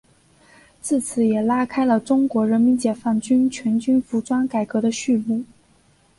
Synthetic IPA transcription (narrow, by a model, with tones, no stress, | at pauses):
t͡sɹ̩˥˩t͡sʰɹ̩˨˧˥jɛ˨˩la˥kʰa˥ɪlə˨ʈ͡ʂʊ˥ŋkwɔ˧˥ɻə˧˥nmi˧˥nt͡ɕjɛ˨˩fa˥˩nt͡ɕy˥nt͡ɕʰɥɛ˧˥nt͡ɕy˥nfu˧˥ʈ͡ʂwa˥nka˨˩ɪkɤ˧˥ɾə˧ɕy˥˧mu˥˩